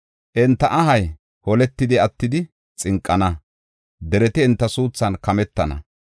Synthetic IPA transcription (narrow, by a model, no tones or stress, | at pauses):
ʔɛnt̪ːɐʔɐɦɐj | hɔlɛt̪ːɪd̪ɪɐt̪ːɪd̪ɪ | t͡sʼɪŋkʼːɐnɐ | d̪ɛɾɛt̪ɪɛnt̪ːɐsuːt͡sːɐnkɐmɛt̪ːɐnɐ̰